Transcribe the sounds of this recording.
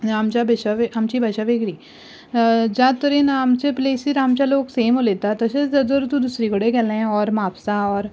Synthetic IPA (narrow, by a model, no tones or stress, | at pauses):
ɾaːmt͡ʃabʱeʃaʋeɦɐmt͡ʃibʱɐʃaʋeɡɾiː | d͡ʒat̪ɔɾinaːmt͡ʃepleːsiɾaːmt͡ʃaloːɡseːmɦoleːt̪at̪ɐʃezɐd̪oɾt̪ũd̪ʊsɾiɡəɽeɡɛl̃ɔːɾmaːpsaɔːɾ